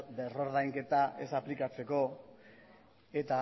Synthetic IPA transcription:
bero̞ɾðajŋke̞t̪aʔe̞saplikat͡se̞ko̞ | e̞t̪a

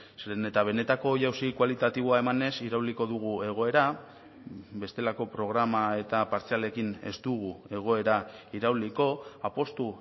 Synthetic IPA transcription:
snet̪aβ̞e̞ne̞t̪ako̞ːjawsikwalit̪at̪iβ̞oae̞mane̞siɾawliko̞ðuɣ̞ue̞ɣ̞o̞e̞ɾa | be̞st̪e̞lako̞pɾo̞ɣ̞ɾamae̞t̪apaɾt͡siale̞kine̞̰zd̪uɣ̞ue̞ɣ̞o̞e̞ɾaiɾawliko̞apo̞st̪u

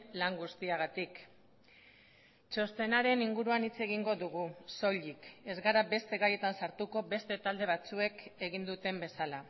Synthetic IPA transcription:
laŋɡust̪iaɣat̪ik | t͡ʃo̞st̪e̞naɾe̞niŋɡuɾuanit͡se̞ɣ̞iŋɡo̞ðuɣ̞uso̞ʎike̞zɣaɾabe̞st̪e̞ɣaje̞t̪ansaɾt̪uko̞be̞st̪e̞t̪ald̪e̞β̞at͡sue̞ke̞ɣind̪ut̪e̞mbe̞sala

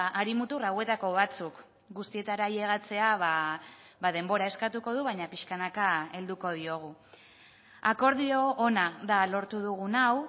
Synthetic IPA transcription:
aɾimut̪urawe̞t̪ako̞β̞at͡suk | ɡust̪ie̞t̪aɾajeɣ̞at͡se̞aβa | βað̞e̞mbo̞ɾae̞skat̪uko̞ð̞uβajɲapiʃkanakae̞ld̪uko̞ð̞io̞ɣ̞u | ako̞ɾðio̞ʔːnaðalo̞ɾt̪uðuɣ̞unaw

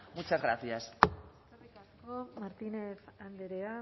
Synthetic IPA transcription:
mut͡ʃazɣɾa̰θiast͡sarekasko̞maɾt̪ine̞θand̪eɾea

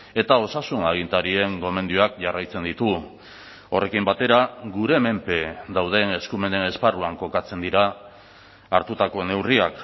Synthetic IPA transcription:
e̞t̪ao̞sasunaɣ̞int̪aɾie̞ŋɡo̞me̞nd̪ioakʝarajt͡se̞nd̪it̪u | o̞re̞kimbat̪e̞ɾaɣuɾe̞me̞mpe̞d̪awð̞e̞ne̞skume̞ne̞ne̞sparuaŋko̞kat͡se̞nd̪iɾaː | ɾt̪ut̪ako̞ne̞wriak

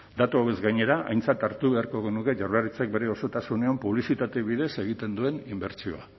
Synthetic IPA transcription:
d̪at̪uaβezɡajɲe̞ɾaʔa̰jnt͡sat̪aɾt̪uβe̞aɾko̞ɣe̞nuke̞ʝaɾlaɾit͡sek̚be̞ɾe̞o̞so̞t̪asune̞ampuβlisit̪at̪e̞βiðe̞se̞ɣ̞it̪e̞nd̪ue̞nimbe̞ɾt͡sio̞̰a̰

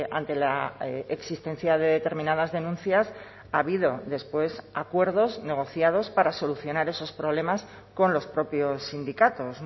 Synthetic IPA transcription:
a̰nt̪e̞laeksist̪e̞n̟θjaðe̞ðe̞t̪e̞ɾmĩnað̞azðe̞nũnθjas | aβ̞iðo̞ðe̞spwe̞sakwe̞ɾð̞o̞zne̞ɣ̞o̞θjaðo̞spaɾaso̞luθjo̞naɾe̞so̞spɾoβ̞le̞mas | ko̞nlo̞spɾo̞pjo̞sːind̪ikat̪o̞s

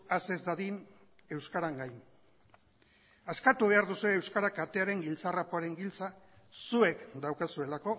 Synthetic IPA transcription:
ase̞zd̪aðin | e̞wskaɾaŋɡajn | askat̪uβ̞e̞aɾðusue̞ːwskaɾakat̪e̞aɾe̞ŋɡilt͡sarapoaɾe̞ŋɡilt͡sa | sue̞kd̪awkasue̞lako̞

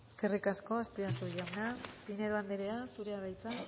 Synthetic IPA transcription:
eske̞rikasko̞ast̪iasuʎawnapine̞ðoand̪eɾeasuɾe̞aðajt͡sa

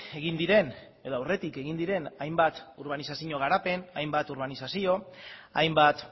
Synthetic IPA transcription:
e̞ɣind̪iɾe̞neðoawre̞t̪ike̞ɣind̪iɾe̞najmbat̪uɾβ̞anisasiɲo̞ɣ̞aɾape̞najmbat̪uɾβ̞anisasio̞ajmbat̪

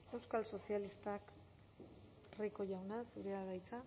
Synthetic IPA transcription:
e̞wskalso̞sialist̪ak | riko̞ʝawnasuɾeaɣajt͡sa

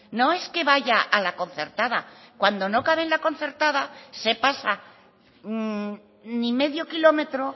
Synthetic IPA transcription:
no̞e̞ske̞βaʝaʔalako̞n̟θe̞ɾt̪aðakwand̪o̞no̞kaβe̞nlako̞n̟θe̞ɾt̪að̞ase̞pasa | nime̞ðjo̞kilo̞me̞t̪ɾo̞

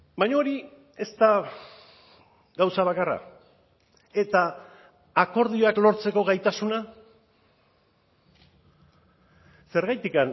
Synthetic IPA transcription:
baɲooɾi | e̞st̪a | ɡawsaβ̞akara̰ | e̞t̪aː | ko̞ɾð̞io̞aklo̞ɾt͡se̞ko̞ɣajt̪asuna | se̞ɾɣajt̪ikan

